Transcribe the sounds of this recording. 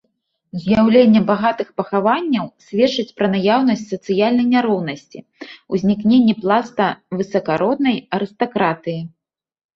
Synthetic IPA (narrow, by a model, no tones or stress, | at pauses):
zʲjawlʲenʲːɐbaɣat̪ɨxpɐxavanʲːɐwsʲvʲɛt͡ʂɨt͡sʲpɾɐnajawnɐsʲtt͡sʲsɐt̪sɨjalʲnɐjnʲaɾɔwnɐsʲt͡sʲḭ | uzʲnʲiknʲenʲːɛplˠast̪ɐvɨsɐkaɾɔd̪nɐjɐɾɨst̪akɾat̪ɨji